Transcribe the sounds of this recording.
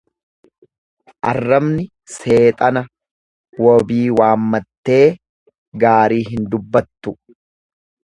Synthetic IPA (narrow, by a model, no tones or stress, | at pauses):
ʔɐrːɐmnɪ | se̞ːt̪ʼɐnɐ | wɔbiːwaːmːɐt̪ːe̞ː | ɡaːɾiːɦɪnd̪ʊbːɐt̪ːʊ